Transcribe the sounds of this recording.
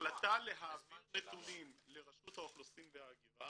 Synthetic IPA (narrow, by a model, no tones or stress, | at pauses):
lat̪ale̞ɦaːvitʁetulimle̞ʁaʃut̪haoχlosimvehaːɡiʁa